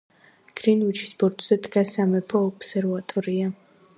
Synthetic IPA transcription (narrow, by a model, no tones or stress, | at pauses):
ɡ̥ɾinut͡ʃʰi̥sbɔɾt̪ʼz̥ɛd̪ɡasamɛpʰɔːpsɛɾvat̪ʼɔɾia